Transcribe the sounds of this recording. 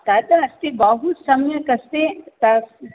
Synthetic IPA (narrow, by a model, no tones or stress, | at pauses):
t̪aːd̪aɐst̪ebaɦusɐmjəkɐst̪et̪ɐ